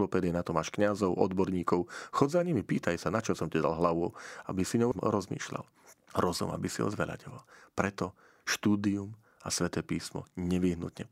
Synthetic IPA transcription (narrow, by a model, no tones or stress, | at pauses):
lɔpɛːd̪ɪjɛnat̪ɔmaʃkɲazɔʊʔɔd̪bɔɾɲiːkɔʊxɔzaɲimipiːt̪ajsanat͡ʃɔsɔmcɛd̪a̰lɦlaʋuabisiɲɔʊmɾɔzmḭːʃla̰l | ɾɔzṵma̰bisiɦɔ̰zʋɛla̰ɟɔʋɔlpɾɛt̪ɔ | ʃt̪uːd̪ium | asʋɛt̪ɛːpiːsmɔ̰ɲɛʋiɦnṵt̪ɲɛ